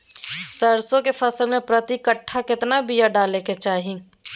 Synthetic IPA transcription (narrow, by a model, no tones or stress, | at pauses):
səɾsõkefʰɐsəlmẽpɾət̪ikəʈʰːakɪt̪nabijaɖaːleket͡ʃaːɦi